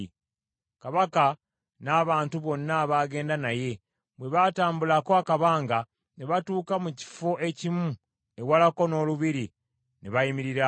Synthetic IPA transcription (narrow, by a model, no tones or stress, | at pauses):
kaβaka | naːβaːntuβo̞nːaβaːɡe̞ːndanaje̞ | bwe̞βataːmbulakoakaβaːŋɡa | neβatuːkamuci̥fo̞ʔe̞cimu | e̞walako̞no̞ːluβiɾi | neβajimiɾiɾa